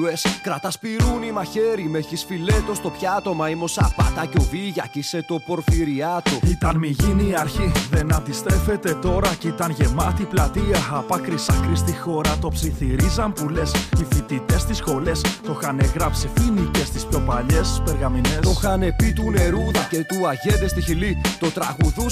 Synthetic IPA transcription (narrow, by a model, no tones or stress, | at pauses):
eskɾɐt̪ɐspiɾunimɐçe̞ɾimeçisfile̞t̪o̞st̪o̞pçɐt̪o̞mɐimo̞sɐpɐ̰t̪ɐco̞viʝɐcise̞t̪o̞po̞ɾfiɾiɐt̪oit̪ɐnmiʝiniːɐɾçiðe̞nɐd̪ist̪ɾe̞fe̞t̪e̞t̪o̞ɾɐcit̪ɐnʝe̞mɐt̪iplɐt̪iɐɐpɐkɾisɐklist̪ixo̞ɾɐt̪o̞psiθiɾizɐmpule̞sifit̪it̪e̞st̪isxo̞le̞st̪o̞xɐneɣɾɐpsifinice̞st̪ispço̞pɐʎespeɾɣɐminestoxɐne̞pit̪une̞ɾuðɐce̞t̪uɐʝe̞ðest̪içilit̪o̞t̪ɾɐɣuðus